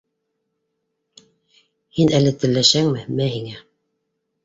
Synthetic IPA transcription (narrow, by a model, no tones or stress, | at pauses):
hinælɘt̪ɘ̆lːæʃæŋmɘmæhiŋæ